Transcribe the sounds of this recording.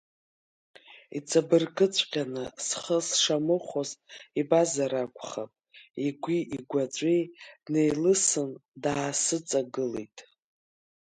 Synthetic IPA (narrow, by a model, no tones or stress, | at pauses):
ḭt͡sʼabɨrkʼɨt͡sʷʼqʲʼanɨsχəsʂamɨχʷozibazaɾakʷʰʼχapʼiɡʷiʔiɡʷat͡ɕʷʼejne̞jlɨsɨndaːsɨt͡sʼaɡɨlḛjtʼ